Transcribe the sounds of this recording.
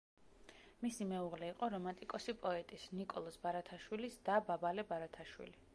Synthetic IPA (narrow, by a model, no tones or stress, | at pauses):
misimɛuʁlɛiqʼɔɾɔmant̪ʼikʼɔsipʼɔɛt̪ʼisnikʼɔlˠɔsbaɾat̪ʰaʃwilisd̪̥ababalɛbaɾat̪ʰaʃwḭli